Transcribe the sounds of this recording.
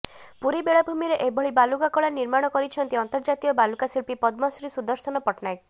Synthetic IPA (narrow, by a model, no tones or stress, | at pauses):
puɾibeɭabʱumiɾeʔebɔɭibalukakɔɭaniɾmaɽ̃ɔkɔɾit͡ʃʰɔnt̪iɔnt̪ɔɾd͡ʒat̪iɔbalukasiɭpipɔd̪mɔsɾisud̪ɔɾsɔnɔpɔʈnajk